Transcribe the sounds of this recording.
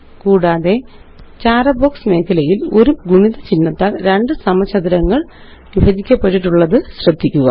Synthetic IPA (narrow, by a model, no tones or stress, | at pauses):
kuːɽaːðe̞ | t͡ɕaːrɐboːksme̞ːkʰːɐlɐjilo̞ɾuɡuɳiðɐt͡ɕinːɐt̪ːɐɾe̞ɳɖɨsɐmɐt͡ɕʰɐd̪iɾɐŋːɐɭ | ʋibʱɐd͡ʑikʲːɐpːeʈːiʈːuɭːɐðɨɕrɐd̪ːikʲːuɣɐ̰